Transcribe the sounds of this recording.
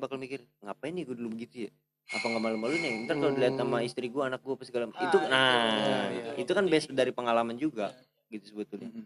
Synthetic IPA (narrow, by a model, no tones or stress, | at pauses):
bakalmikɪrŋapajniɡuadulubəɡit̪uja | ŋapaŋɡamalamalunɛənt̪arkalodiliat̪̚samaist̪ɾiɡuaːnak̚ɡuapasəɡalamit̪una | it̪ukanbasdaɾipəŋalamand͡ʒuɡa | ɡit̪usəbət̪ʊlɲa